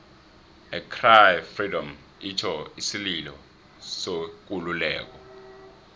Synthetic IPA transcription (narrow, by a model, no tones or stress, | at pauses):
ɛkʰrajfridɔm | itʰɔisililɔ̰ | sok̬ululɛːk̬ɔ